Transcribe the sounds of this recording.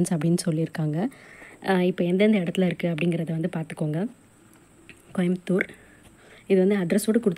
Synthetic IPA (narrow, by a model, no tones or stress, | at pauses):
nsɐpːɐɽɪnːɯsɔlːiɪɾɯkːaːŋɡɐ | ɪpːɐːɛnd̪ɐɐnd̪ɐɪɽɐt̪ːɪlɐɪɾɯkːɯɐpːɐɽɪŋɡɪɾɐðɐʋɐnd̪ɯpaːɾt̪ɯ̥kːoːŋɡɐ | kɔjɐmt̪ːuːɾ | ɪðɯʋɐnd̪ɯɐd̪ɪɾɐsoːʈːɯkʊɽɯt̪ː